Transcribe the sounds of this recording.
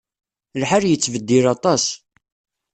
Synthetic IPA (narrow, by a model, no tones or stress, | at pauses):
lħaɾjət͡sːvəd̪ːilɑt̪ˤɑs